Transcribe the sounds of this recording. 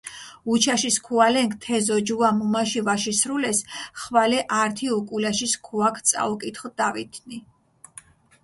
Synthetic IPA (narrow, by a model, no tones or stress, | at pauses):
ut͡ʃʰaʃiskʰualɛŋkʰt̪ʰɛzɔd͡ʒuamumaʃivaʃisɾulɛsχvalɛʔaɾt̪ʰiɔkʼulaʃiskʰuakʰt̪sʼa̰ukʼit̪ʰχɔd̪̥avit̪ʰni